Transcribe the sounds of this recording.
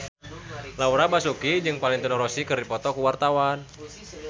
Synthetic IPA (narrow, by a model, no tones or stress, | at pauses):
lauɾabasukid͡ʒɨŋpalɪŋt̪unɔɾɔsikɨrdipɔt̪ɔkuwart̪awan